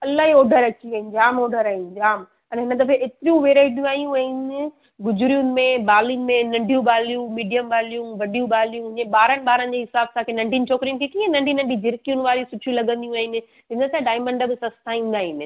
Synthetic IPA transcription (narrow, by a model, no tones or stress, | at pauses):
ɐlaːɦioːɖʱəɾɐt͡ɕiɐɦĩnd͡ʑaːmoːɖʱəɾaːɦĩnd͡ʑaːm | ɐnɦɪnəd̪ɐfeʔeːt̪ɾijũʋeːɾaːɪʈjũaːɦijũãɦɪnɪ | ɡʊd͡ʑʊɾijunɪ̆mẽɓaːlijunɪ̆mẽnɐ̃ɳɖʱijũɓaːlijũmiːɖijəmɓaːlijũʋɐɖijũɓaːlijũɦʊ̃ɲeɓaːɾənɪ̆ɓaːɾənɪ̆d͡ʑeːɦɪsaːbsãkʰenãɪɳʈiːnt͡ɕoːkɾijũkʰekĩːẽnɐ̃ɳʈiːnɐ̃bid͡ʑɪɾkijunɪ̆ʋaːɾiũsʊʈʰijũlɐɠə̃nd̪ijũaːɦɪnɪ̆ | ɦɪ̃nət̪aɖaːɪmə̃ɳɖbɪsɐst̪ʰaĩːn̆d̪aːɦinɪ̆